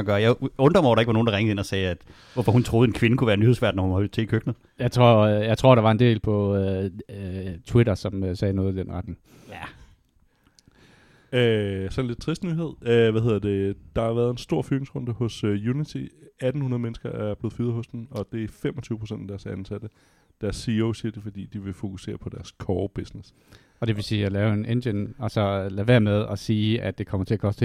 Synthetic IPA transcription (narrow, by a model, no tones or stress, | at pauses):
ɡ̥ɶɐjɑ̈ɪɔ̽nd̥ʁɐmɑʊɾɑeɡ̥ʋɑno̝ːnd̥ɑʁeŋd̩ˠe̝nɒsɛːæd̥ | ʋɒfɒ̽hunt͡sʰʁo̝ːð̞̩ˠe̝nkʰʋe̝nəkʰuʋæːɐnyhḛsʋæ̰d̥nɒhunhɒlt͡sʰe̝kʰøɡ̥nəð | jɑ̈ɪt͡sʰʁo̝ɐ̰jɑ̈ɪt͡sʰo̝ɐ̰ɾ̥ɑʋɑ̈e̝nd̥e̝̰ːlpʰɒ̽ø | t͡sʰweɾɐsɒ̽msɛːnɔ̽ːð̞̩ˠid̥enʁɑ̈d̥n̩ | æ | øsɒ̽nle̥t͡sʰʁisd̥nyɦe̝ð̞̰ˠøʋæhe̝ð̰ˠɐd̥e̝d̥ɑ̈hɑ̈ʋæːɐð̞ˠe̝nsd̥o̝ɐ̰fyɐneŋsʁɔ̽nd̥əhɔ̽søjunit͡sʰiæd̥n̩hunɐð̩ˠmenəsɡ̥ɐʔæɐb̥le̝ːð̩ˠfyːðˠɦɔ̽sd̥enɒ̽d̥e̝æɐfemɒt͡sʰyːʊəpʰo̝sen̰d̥æd̥æɐsænsæd̥ə | d̥æɐsːioʊsiɐd̥efɒ̽d̥ḭːd̥iʋe̝fo̝kʰuse̝̰ːɐpʰɒ̽d̥æɐskʰɒːb̥esnes | ɒ̽d̥e̝ʋe̝siːælɛːʊe̝nend̥enɒ̽sɒ̽læʋæɐmeðˠɒsiːæd̥̚e̝kʰɒ̽mɐt͡sʰe̝ækʰɒ̽sd̥